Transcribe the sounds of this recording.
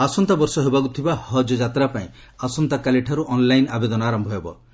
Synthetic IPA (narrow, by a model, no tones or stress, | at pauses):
asɔnt̪abɔɾsɔɦebakut̪ʰibahɔd͡ʒɔd͡ʒat̪ɾapaḭ̃ | asɔnt̪akaleʈʰaɾuʔɔnlajnabed̪ɔnaːɾɔmbʱɔɦebɔ̰